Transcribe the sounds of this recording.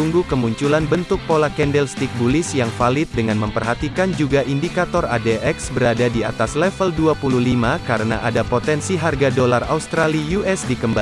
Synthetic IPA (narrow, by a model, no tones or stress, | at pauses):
uŋɡukəmuɲt͡ʃulanbənt̪ʊk̚polakɛndɛlst̪ik̚bulɪsjaŋfalɪt̪̚dəŋanməmpərɦat̪ikand͡ʒuɡaʔindikat̪ɔradɛʔɛksbəɾadadia̰t̪aslɛfəlduapululimakaɾəna̰ʔadapot̪ɛnsiɦarɡadolara̰ust̪ɾalijuɛsdikəmba